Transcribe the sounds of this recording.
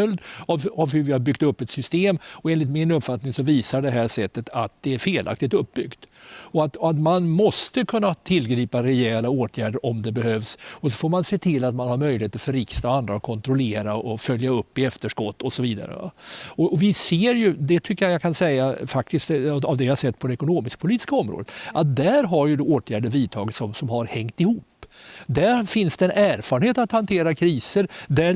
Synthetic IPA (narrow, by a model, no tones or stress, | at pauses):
œld̪avavhɵvɪhaɾbʏɡ̚t̪ɵpːɛt̪sʏst̪eːmɔeːnlɪt̪mɪnɵpːfat̪nɪŋsɔviːsaɖɛɦæːʂɛt̪ːət̪ʰat̪̚d̪ɛæɾfeːlʔa̰k̚t̪ɪt̪ɵp̚ːbʏɡt̪ɔat̪ɔat̪manmɔst̪əkʰɵnːat̪ʰɪlːɡɾiːpaɾɛjɛlaoːt̪ʰjæːɖəɾʔɔmd̪ɛbɛɦøːvsɔsɔfoːɾmanseːt̪ʰɪlːat̪manhaɾmœʏjlɪheːt̪əɾfœɾɪkst̪aand̪ɾaɔkʰɔnt̪ɾɔleːɾaɔfœljaɵpːɪɛft̪əʂkɔt̪ːɔsɔviːd̪a̰ɾə̰va̰ɔʔɔvɪseːɾjɵd̪ɛt̪ʰʏkːəjajakʰansɛjːafak̚t̪ɪst̪avd̪ɛjhasɛt̪ːpʰɔd̪ɛɛkʊnoːmɪsk̚pʰʊliːt̪ɪskaɔmɾo̰ːd̪ət̪ʔat̪̚d̪æɾɦaɾjɵd̪oːt̪ʰjæːɖəɾviːt̪ʰɑ̰ːɡɪt̪sɔmsɔmhaɾhɛŋt̪ɪhuːpːd̪æɾfɪnsd̪ɛɛːnʔæːɾfɑːɾɳheːt̪at̪hant̪ʰeːɾakʰɾiːsəɾd̪æ